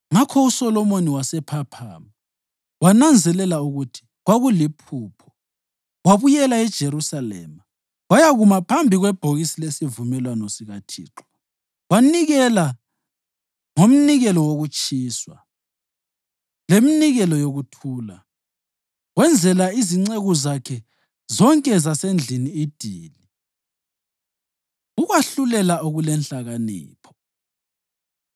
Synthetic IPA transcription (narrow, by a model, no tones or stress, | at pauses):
ŋakʰɔusɔlɔmoniwasɛpʰapʰa̰ːma | wanand͡zʱɛlɛlauɣutʰi̥ | ɣwaɣulipʰuːpʰɔ̥ | waβujɛlaɛd̥ʒ̥ʱeɾusalɛ̰ːma | wajaɣumapʰambʱiɣwɛb̥ʱoɣisilesivumɛlwanɔsiɣatʰḭːǁɔ̥ | waniɣɛla | ŋom̩niɣɛlɔwoɣut͡ʃʼiːswa̰ | leminiɣɛlɔjoɣutʰuːla̰ | ɣwɛnd͡zʱɛlaiziŋ͡ǀeɣuzakʰɛ | zɔŋkʼɛzasend͡ɮʱiniːd̥ʱiːli | uɣwaɬulɛlaoɣulɛnɬaɣanḭːpʰɔ̥